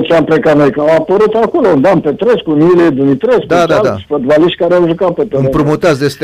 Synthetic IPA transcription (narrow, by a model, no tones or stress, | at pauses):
t͡ʃeampɾekanojkəawapəɾut̪akolound̪ampet̪ɾeskuniled̪umit̪ɾeskd̪ad̪ad̪afət̪baliʃt̪̚ʲkaɾeawʒukapet̪eɨmpɾumut̪asd̪est̪